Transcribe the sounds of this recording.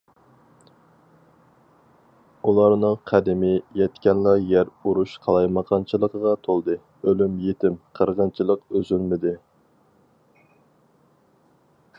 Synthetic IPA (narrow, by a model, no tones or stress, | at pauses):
ulˠɑɾnɨŋqʰæd̪ɪmɪjɛt̪kʲɛnlˠɑjæɾuɾuʃqʰɑlˠɑjmɑqʰɑnt͡ʃʰɨlˠəqəʁɑt̪ʰolˠd̪ɨ | ølymjet̪ɪmqʰəɾʁɑnt͡ʃʰilˠəqøzylmɪd̪ɪ